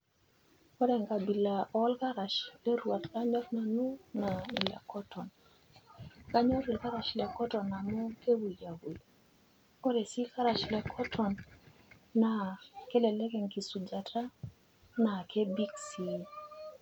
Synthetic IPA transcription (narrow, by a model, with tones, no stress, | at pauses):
ɔ˦ɾɛ˨ŋɡa˨bi˨la˨ɔ˦lka˦ɾa˨ʃlɛ˦ɾwa˨tka˦ɲɔ˦tna˨nu˦na˨i˨la̰˨kɔ˦tʰɔ˨n | ka˦ɲɔ˦ɾi˨lka˦ɾa˨ʃi˨lɛ˨kɔ˦tɔ˨na˨mo˦ke˦wu˨lja˨wu˨ | o˦ɾe˨si˦ka˦ɾa˨ʃi˨lɛ˨kʰɔ˦tʰɔ˨nː | a˨ke˦lɛ˨lɛ˦kɛ˨ŋki˨su˨d͡ʒa˨tʰa˦ | na˨kʰe˦bi˦ksi˦